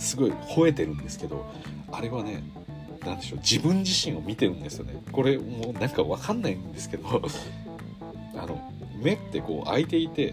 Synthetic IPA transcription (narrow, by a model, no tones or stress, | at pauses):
sɨɡo̞iho̞e̞t̪e̞ɾɯ̟̃nd̪e̞sɨ̥ke̞d̪o̞̰ | aɾe̞βane̞ | nãnd̪e̞ɕo̞d͡ʑibɯ̟̃ɲ̟d͡ʑiɕĩɰ̃o̞mʲit̪e̞ɾɯ̃nd̪e̞sɨjo̞̰nḛko̞ɾe̞monãŋkaβakanːaĩnd̪e̞sɨ̥ke̞d̪o̞ | a̰no̞̰ | me̞t̪ːe̞ko̞̰ːʔait̪e̞it̪e̞